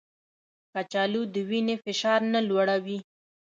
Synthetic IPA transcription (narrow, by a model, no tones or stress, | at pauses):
kat͡ʃɑlud̪əwinefɪʃɑɾnalwaɽawi